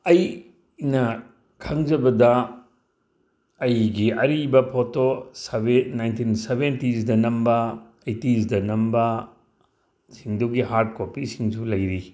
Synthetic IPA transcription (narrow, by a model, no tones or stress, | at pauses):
ɐj | nɐ | kʰɐŋd͡ʒɐbɐdɐ | ɐjɡiɐɾibɐpʰotosɐbenajntʰinsebʱentisdɐnɐmbɐ | ejtisdɐnɐmbɐ | siŋdoɡiɦaɾt̚kopisiŋsulɐjɾi